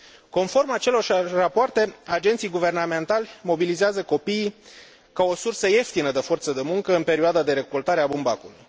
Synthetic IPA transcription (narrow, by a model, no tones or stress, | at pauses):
ko̞nfo̞rmat͡ʃe̞lo̞rʃrapoart̪e̞ad͡ʒe̞nt̪sijɡuve̞rname̞nt̪alʲmo̞bilizeazəko̞pijː | kao̞sursəje̞ft̪inəd̪e̞fo̞rt̪səd̪e̞muŋkəɨnpe̞ɾioad̪ad̪e̞ɾe̞kolt̪aɾeabumbakuluj